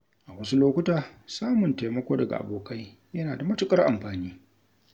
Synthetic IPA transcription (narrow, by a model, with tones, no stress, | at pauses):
ʔa˨wɐ˦su˦loː˦kʷʊ˦taː˨saː˦mʊ˨ntaː˨mɐ˦kʷoː˦dɐ˨ɡa̰˨ʔa̰˨boː˨ka˦j | jɐ˦naː˨da˨mɐ˦tʊ˦kʼɐ˦rʔa̰˨mɸaː˨niː˦